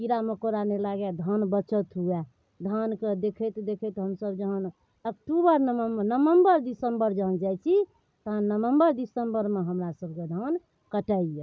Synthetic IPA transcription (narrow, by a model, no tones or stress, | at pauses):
piɾamekoɾanelaɡɛd̪ʱənbət͡ʃət̪ɦuɛ | d̪ʱənked̪ekʰɛt̪d̪ekʰɛt̪ɦəmsəbd͡ʒəɦən | əkʈubəɾnəməmbənəməmbəɾd̪isəmbəɾd͡ʒəɦənd͡ʒajt͡ʃʰi | t̪əɦənːəʋəmbəɾd̪isəmbəɾmeɦəmɾasəb̚ʱked̪ʱən | kəʈəje